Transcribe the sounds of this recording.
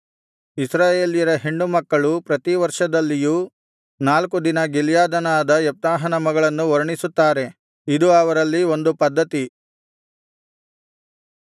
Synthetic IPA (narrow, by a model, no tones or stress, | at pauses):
isɾaːjeːlijɐɾɐɦeɳɖumɐkːɐɭupɾɐt̪iʋɐɾʂɐd̪ɐlːijuː | naːlkud̪inɐɡiljaːd̪ɐnaːd̪ɐjɛp̚t̪aːɦɐnɐmɐɡɐɭɐnːuɔɾɐɳisut̪ːaːɾe̞ | id̪uɐʋɐɾɐlːio̞nd̪upɐd̪ːɐt̪i